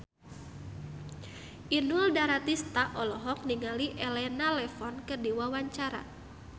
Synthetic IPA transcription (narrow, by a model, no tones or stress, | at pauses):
ʔinuldaɾat̪ist̪aʔɔlɔɦɔk̚niŋaliʔɛlɛnalɛfɔnkədiwawaɲt͡ʃaɾa̰